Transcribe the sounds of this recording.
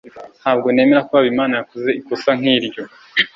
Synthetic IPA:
nhaːb̚ɡo̞ne̞me̞ɾakoβaβimaːnajakoze̞ikosaŋ̥iːɾɟo̞

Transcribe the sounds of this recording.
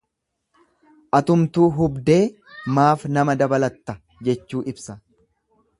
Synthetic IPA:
ʔɐt̪ʊmt̪uːɦʊbd̪e̞ː | maːfnɐmɐd̪ɐbɐlɐt̪ːɐ | d͡ʒɛt͡ʃːuːʔɪbsɐ

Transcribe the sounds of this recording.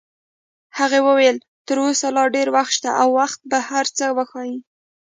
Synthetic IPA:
haɣewəwajəl | t̪əɾosalɑɖeɾwaxt̪ʃt̪aʔawːaxt̪̚bahaɾt͡səwəxɑji

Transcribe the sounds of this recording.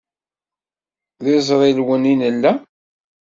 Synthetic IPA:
ðɪzˤɾˤɪlwəninəlːæ

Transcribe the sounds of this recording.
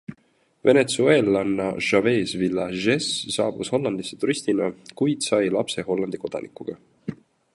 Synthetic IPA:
ve̞ne̞t̪suelːɑnːɑ̰ʒ̥ɑve̞ːsvilːɑʒessɑːb̥usho̞lːɑnd̪̥isːet̪uɾist̪inɑkujd̪̥sɑjlɑpse̞ɦo̞lːɑnd̪̥iko̞d̪̥ɑ̰nʔikˑuɡ̥ɑ

